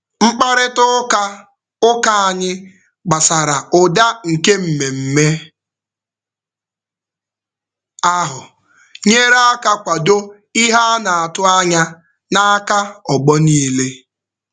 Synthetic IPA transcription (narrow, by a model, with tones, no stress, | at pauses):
ŋ͡m̩˦k͡pa˦ɾɪ˦tʊ˦ka˦ | ʊ˦ka˦a˨ɲɪ˦ | ɡ͡ba˨sa˨ɾa˨ʊ˨da˦ŋ̩˨ke˦m̩˨me˨m̩˨me˦ | a˦ɦʊ˨ | ɲe˦ɾa˦a˦ka˦kʷa˨do˦ | i˦ɦa˦na˨a˨tʊ˦a˦ɲa˦ | na˦a˦ka˦ɔ˨ɡ͡bɔ˦niː˦le˦